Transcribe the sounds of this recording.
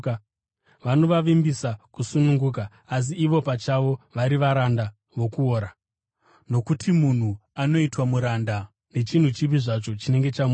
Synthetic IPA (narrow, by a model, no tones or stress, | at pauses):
ʋano̞ʋaʋimbisakusunuŋɡuːk̬aː | s̬iːʋo̞pat͡ʃaʋo̞ʋaɾiʋaɾanda | ʋo̞kuoːɾa | no̞kutʰimun̤uano̞itwamuɾaːnda | ne̞t͡ʃin̤ut͡ʃip̬iʐat͡ʃo̞t͡ʃine̞ŋɡe̞t͡ʃamu